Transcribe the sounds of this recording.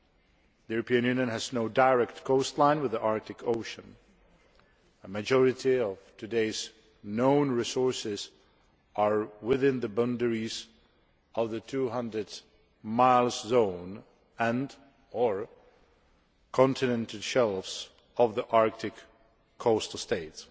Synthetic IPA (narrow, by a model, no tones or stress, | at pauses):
ðijʉɹəpʰiɨ̃njʉ̃njɨ̃nɨznoʊdaɪɹɛk̚tkʰoʊstˡlãɪ̃nwɨðiʔɑɹk̚tɨkʰoʊʃɨ̃n | əmɨd͡ʒɔɹɨɾiʌv̥tʰɨdeɪz | nõʊ̃nɹisɔɹsɪz | ʔəɹwɪðɪ̃nðɨbʌ̃ndəɹiz | ʔʌvðɨtʰuɦʌ̃ndɹɨd | maɪlˠzzõʊ̃n | ɨ̃nd | ə˞ | kʰɑ̃ntʰɨnɛ̃ntʰl̩ˠʃɛlˠfs | ʌvðiʔɑɹk̚tʰɨkʰː | oʊstl̩steɪts